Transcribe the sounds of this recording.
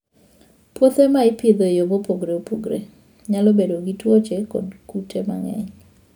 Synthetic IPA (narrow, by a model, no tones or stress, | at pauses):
pwot̪emaɪpjed̪ojobopoɡɾeopoɡɾe | ɲalɔbedoɡitwot͡ʃekɔ̰dkutʰema̰ŋɛ̰ɲ